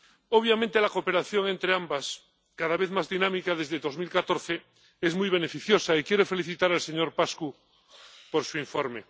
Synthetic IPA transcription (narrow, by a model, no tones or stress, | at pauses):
oβ̞jamẽnt̪elakope̞ɾaθjo̞ŋe̞nt̪ɾeambas | kaðaβeθmazðinãmikaðe̞zðeðo̞zmilkat̪oɾθe | ezmujβ̞ene̞fiθjo̞saikjeɾofe̞liθit̪aɾalseɲo̞ɾpasku | poɾsuiɱfoɾme